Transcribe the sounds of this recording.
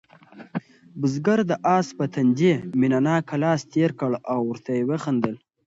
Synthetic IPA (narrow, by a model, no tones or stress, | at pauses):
bʊzɡaɾd̪əʔɑːspət̪ʰanʲdeminanɑːkʰalɑːst̪eɾkəɭawːʊɾt̪ajewexand̪əl